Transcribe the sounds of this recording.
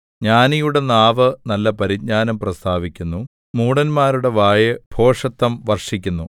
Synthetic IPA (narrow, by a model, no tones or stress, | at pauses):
ɲaːnijuɽe̞naːʋɨnɐlːɐpɐɾiɡ̚ɲaːnɐmprɐst̪ʰaːʋikʲːunːu | muːɽɐnmaːɾuɽe̞ʋaːjɨb̥ʱo̞ːʂɐt̪ːɐmʋɐrʂikʲːunːu